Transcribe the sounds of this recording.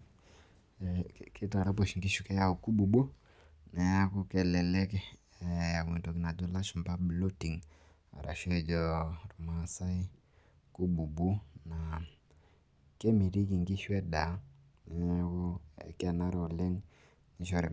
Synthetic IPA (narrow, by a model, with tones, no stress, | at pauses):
ki˦ta˨ɾa˦p̬o˨ʃŋɡi˦ʃu˦kɛ˦ja˦u˨ku˦ɓu˨bo˦ | nɛ˨a˦ku˦kɛ˨lɛ˨lɛ˦k | a˨ke˨to˨ki˨na˨d͡ʒɔ˦la˦ʃu˨mba˦blo˦ti˨ŋ | a̰˨ɾʔa̰˨ʃɛ˦d͡ʒɔ˨ɾu˨ma˦sa˦i˦ | ku˦bu˨bu˦na˨ | kɛ˦mi˨ɾi˦ki˨ŋɡi˦ʃwɛ˦da˨˦ | nɛ˨˦ku˦˨ka˨na˦ɾɔ˨lɛ˦ŋ | ni˨ʃɔ˦ɾɛ˨